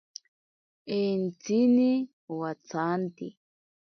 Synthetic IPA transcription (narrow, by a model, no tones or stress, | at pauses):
ɛnt͡sini | wat͡sant̪i